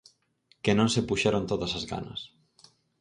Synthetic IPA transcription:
kenõnsepuʃaɾont̪oðɐsɐzɣa̰nɐ̰s

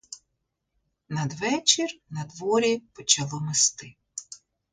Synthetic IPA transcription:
nɐd̪ʋɛt͡ʃirnɐd̪ʋɔɾʲipɔt͡ʃɐlˠɔmɪst̪ɪ

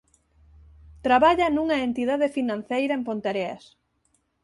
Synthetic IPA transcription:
t̪ɾaβaʎanuŋɐent̪iðaðefinãn̟θejɾɐempont̪eɾea̰s

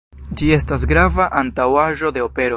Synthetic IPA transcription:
d͡ʒie̞stas̬ɡɾavaʔantawaʒo̞de̞o̞pe̞ɾo

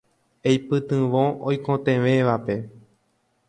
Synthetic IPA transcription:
ejpɨt̪ɨ̃ʋõõjkõt̪ẽʋẽʋape̞

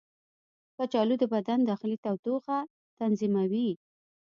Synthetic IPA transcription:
pət͡ʃɑlud̪əbad̪and̪ɑxɪlit̪awt̪uxa | t̪anzimawi

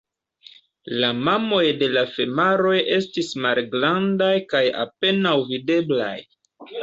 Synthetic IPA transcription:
lamamo̞jde̞lafe̞maɾo̞je̞stismalɡɾandajkaja̰pe̞nawvide̞bla̰j

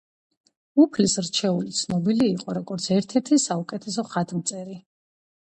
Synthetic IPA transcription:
upʰlisɾt͡ʃʰɛulit̪sʰnɔbiliːqʼɔɾɔɡɔɾt̪sʰɛɾt̪ʰɛɾt̪ʰisaukʼɛt̪ʰɛs̬ɔχat̪ʰmt̪sʼɛɾi

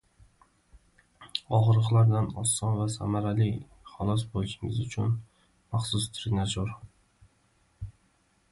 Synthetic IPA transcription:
ɒʁɨɾʁɨlˠaɾd̪anɒsːɒnvasa̰maɾalɪ | χɒlˠɒs̬bolˠɪʃɪŋɪzʊt͡ʃʰʊn | maχsʊst̪ʰɾɪnad͡ʒoɾ

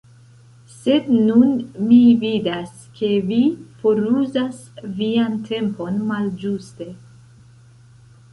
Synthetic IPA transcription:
se̞dnunmividas | ke̞vifo̞ɾuzasviantʰe̞mpo̞nmald͡ʒuste̞

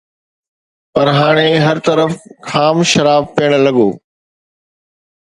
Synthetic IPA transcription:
pɐɾɦaːɽ̃eɦɐɾt̪ɐɾəfkʰaːmʃɐɾaːbpiːəɽ̃lɐɠoː

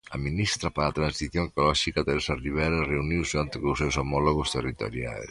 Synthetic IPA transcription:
aminist̪ɾapaɾat̪ɾansiθjoŋkolɔʃikat̪eɾesariβ̞ɛɾareuniwseant̪ɪkusewsomɔloɣost̪erit̪o̰ɾja̰s

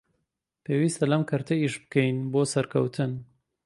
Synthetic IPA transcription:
pʰeːwiːst̪ɐlɐmkʰɐɾt̪ʰɐiʃbɨkɛjnboːsɐɾkʰɐwt̪ʰɨn

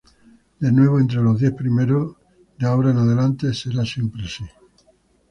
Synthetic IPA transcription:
d̪e̞nwe̞β̞oent̪̬ɾelo̞ɦðje̞hpɾimeɾo | d̪eaoɾaenaðelant̪e̞se̞ɾasjempɾesi

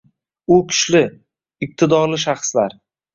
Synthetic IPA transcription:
ʊkʲʰʊ̥ʃlɪ | ɪq̚t̪ʰɪd̪ɒɾlɪʃaχslaɾ

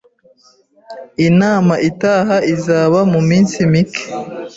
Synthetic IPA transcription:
inaːmaʔitaːɦaizaːβamumiːnsimikʰe̥

